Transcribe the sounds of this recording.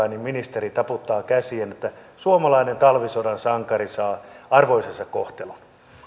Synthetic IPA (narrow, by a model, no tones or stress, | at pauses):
ɑinimminist̪eɾit̪ɑput̪ːɑːkæsienet̪ːæsuomɑlɑinent̪ɑlʋisodɑnsɑŋkɑrisɑːɑrʋoisensɑkkoht̪elun